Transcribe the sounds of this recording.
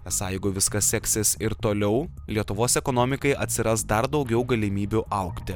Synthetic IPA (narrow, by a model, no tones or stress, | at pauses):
ɛsɐɪɡʊʋʲɪskɐsʲɛksʲesɪɾt̪oːlʲɛʊlʲiɛt̪ʊʋoːsɛkoːnoːmʲɪkɐɪʔɐt̪ʲsʲɪɾɐsd̪ɐɾd̪ɒʊɡʲɛʊɡɐlʲɪmʲiːbʲuʔɐʊkt̪ʲɪ